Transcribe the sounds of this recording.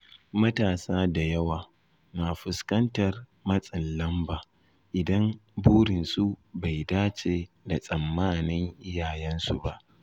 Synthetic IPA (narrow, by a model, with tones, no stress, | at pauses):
mɐ˦taː˨saː˦da˨jɐ˦waː˨ | naː˨ɸʊ˨skɐ˦ntɐ˨rmɐ˦sʼɪ˨nlɐ˦mbaː˨ | ʔɪ˨dɐ˦mbuː˦ɽɪ˨nsu˦ba˨jdaː˦t͡ʃeː˨ | da˨sʼɐ˨mːaː˦nɪ˦ŋʔɪ˦jaː˨jɛ˦nsṵ˨ba˦ʔ